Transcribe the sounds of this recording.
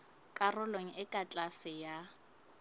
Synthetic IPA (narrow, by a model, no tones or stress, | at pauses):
kʼarʊloŋ̩ɪkʼat͡ɬʼasɪja